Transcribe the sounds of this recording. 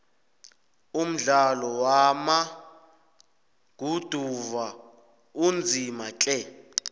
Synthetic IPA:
um̩ɮalɔwama | ɡ̥ʱud̥ʱuva | und͡zʱimakʼɛ

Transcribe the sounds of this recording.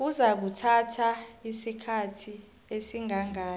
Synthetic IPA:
k̬uzak̬utʰatʰaisikʰatʰi | esiŋaŋaː

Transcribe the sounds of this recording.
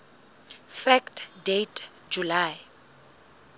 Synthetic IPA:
fɛktʰdetʰ | d͡ʒulaj

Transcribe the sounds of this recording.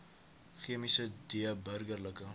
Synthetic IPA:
χiəmisədiəbərɡərləkə

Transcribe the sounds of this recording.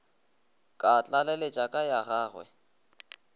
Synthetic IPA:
kʼat͡ɬʼalɛlet͡ʃʼakʼajaɣaːɣwɛ̰

